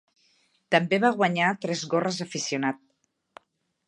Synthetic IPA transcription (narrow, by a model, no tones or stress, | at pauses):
t̪əmbeβ̞aɣwaɲat̪ɾɛzɣorəzəfisiunat̪̚